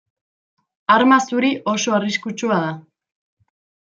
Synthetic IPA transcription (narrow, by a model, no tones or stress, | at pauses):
aɾmasuɾiʔo̞so̞ariskut͡ʃuað̞a